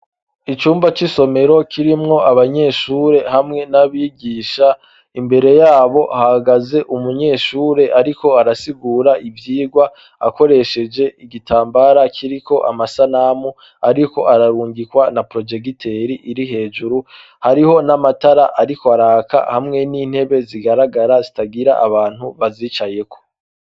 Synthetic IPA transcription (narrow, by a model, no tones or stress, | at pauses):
it͡ʃuːmbat͡ʃiso̞me̞ɾo̞kʰiɾimŋo̞ʔaβaɲe̞ːʃuːɾe̞hamŋe̞naβiɡiːʃa | imbe̞ɾe̞jaːβo̞ʔhahaɡaze̞ʔumuɲe̞ːʃuːɾe̞ʔaɾiko̞aɾasiɡuːɾaʔivjiːɡwa | a̰ko̞ɾe̞ʃe̞d͡ʒe̞ʔiɡitʰaːmbaɾakʰiɾiko̞ʔa̰masanamu | aɾiko̞ʔaɾaɾuːŋɡikwanapɾo̞d͡ʒe̞ɡitʰe̞ɾiʔiɾiɦe̞ːʒuɾu | haɾiho̞namataɾaʔaɾikoaɾaːka̰hamŋe̞niːn̥he̞βe̞ziɡaɾaɡaɾazitaɡiɾa̰ʔaβaːn̥huβaziːt͡ʃaje̞kʰo̞̥